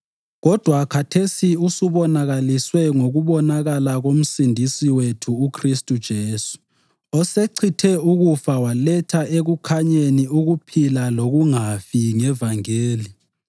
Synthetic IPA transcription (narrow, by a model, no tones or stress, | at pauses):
ɣɔd̥ʱwakʰatʰesiusuβɔnaɣaliswɛŋoɣuβɔnaɣalaɣom̩sindʱisiwetʰuːkʰristʼud̥ʒ̥ʱeːsu̥ | ɔseǀʰitʰɛuɣufawalɛtʰaeɣukʰaɲeniuɣupʰilaloɣuŋafiŋɛvaŋeːli